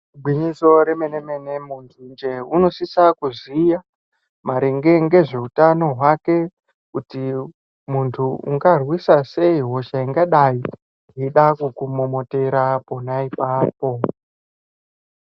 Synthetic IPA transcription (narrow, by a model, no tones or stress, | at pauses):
ubʱwiɲiso̞ɾeme̞neme̞nemuntʰund͡ʒe̞uno̞sisakuzija | maɾeŋɡe̞ŋɡe̞ʐe̞utano̞ɦwake̞ | kuti | muntʰuṵŋɡarwisase̞iɦo̞ʃaiŋɡaɗai | ɦiɗakukumomo̞te̞ɾapo̞naipaːpo̞